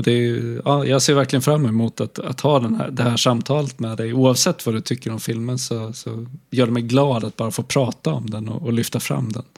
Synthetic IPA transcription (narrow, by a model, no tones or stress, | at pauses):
ɔd̪ɛɑːjɑːɡseːɾvæɾklɪɡənfɾamːɛmʊt̪at̪a̰t̪hɑːd̪ɛnhæ̰ɖ̪ɛhæːʂamːt̪ʰɑːlət̪mɛd̪ɛjuːɑvsɛt̪ːvad̪ɵt̪ʰʏkːəɾɔmfɪlmənsɔsɔjœːɖɛmɛjɡlɑːd̪at̪̚bɑːɾafoːpʰɾɑːt̪aɔ̰md̪ɛnɔ̰ːlʏft̪afɾa̰mːd̪ɛ̰n